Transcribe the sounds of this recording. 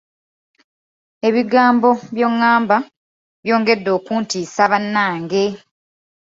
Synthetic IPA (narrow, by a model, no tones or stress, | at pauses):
e̞βiɡaːmbo̞βjoŋːaːmba | βjo̞ːŋɡe̞dːo̞ːkuːntiːsaβanːaːŋɡe̞